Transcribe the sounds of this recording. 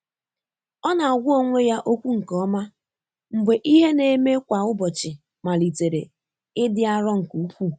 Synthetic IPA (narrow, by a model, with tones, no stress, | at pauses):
ɔ˦na˨a˨ɡʷʊ˦o˦˨ŋʷe˦ja˦ʔo˦kʷu˦ŋ̩˨kɔ˦ma˦ | m̩˨ɡ͡be˨ʔi˦ɦe˦ne˨me˦kʷa˨ʊ˦bɔ˨t͡ʃɪ˨ | ma˨li˨te˨ɾe˨ | ɪ˦dɪ˦a˦ɾɔ˦ŋ̩˨ku˨u˦pʷu˦